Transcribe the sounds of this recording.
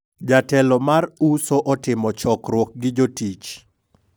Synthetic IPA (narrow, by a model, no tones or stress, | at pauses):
d͡ʒatɛlɔmaɾusoʔɔtɪmɔt͡ʃɔkɾwok̚ɡɪd͡ʒotit͡ʃ